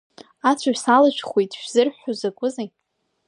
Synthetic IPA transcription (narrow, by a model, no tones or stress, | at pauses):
at͡ɕʷʰaɥᶣsalaʃʷᶣʰχʷwejtʰʼʃᶣz̥ɨrħozakʷʼʊza